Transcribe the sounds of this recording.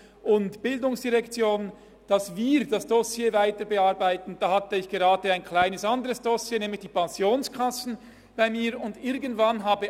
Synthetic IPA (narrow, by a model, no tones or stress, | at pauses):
ʔʊntb̥ɪldʊŋsd̥iʁɛkt͡sjoːn | d̥ɑsviːɾd̥ɑsd̥ɔsjeːvaɪtəbeaʁbaɪtn̩d̥ɑːhatəɪçɡ̥eʁɑːdəaɪnkʰl̥aɪnəsandəʁəsd̥ɔsjeːnɛːmlɪçd̥iːpanzjoːnskʰasn̩ | b̥aɪmiːɾʊndɪɾɡən̩tv̥anɦaːbə